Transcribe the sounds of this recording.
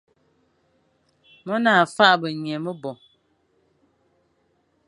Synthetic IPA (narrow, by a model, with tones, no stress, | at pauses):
mɔ˦naː˨fa˦ʔbə˨ɲɛ˨mə˦bɔ˨